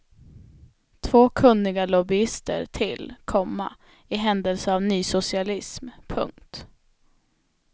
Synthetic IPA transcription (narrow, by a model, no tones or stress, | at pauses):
t̪ʰvoːkʰɵnːɪɡalɔbɪɪst̪ə̰ɾʈ̪ʰɪlkʰɔmːa̰ | ɪɦɛnd̪ɛlsəavnyːsʊsɪalɪsmpʰɵ̰ŋkt̪